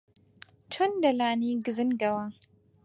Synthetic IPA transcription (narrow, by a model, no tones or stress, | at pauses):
t͡ʃʰɐnd̪ɐlaːniːɡɨzɨnɡɐwaː